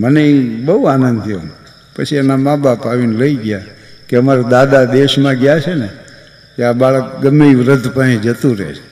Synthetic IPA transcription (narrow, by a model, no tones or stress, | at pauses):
məneibəɦuanənd̪ʱjo̰m | pət͡ʃʰianamabapaʋinləiɡja | keəmaɾad̪ad̪ad̪eʃmãɡjat͡ʃʰene | keabaɭəkɡəmːeʋɾəd̪ʱpəɽĩd͡ʒət̪ũɾḛt͡ʃʰe̥